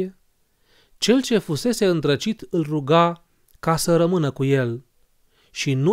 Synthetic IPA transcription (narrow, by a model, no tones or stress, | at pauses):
t͡ʃe̞lt͡ʃe̞fuse̞se̞ɨnt̪ɾət͡ʃit̪ɨlruɡa | kasəɾəmɨnəkuje̞l | ʃinu